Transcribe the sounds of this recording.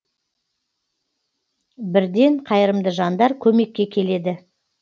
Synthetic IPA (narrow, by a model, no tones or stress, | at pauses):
bɪɾd̪e̞ɴqʰɑjəɾəmd̪əʒɑnd̪ɑɾkʲʰɵme̞kʲːe̞kʲʰe̞le̞d̪ɪ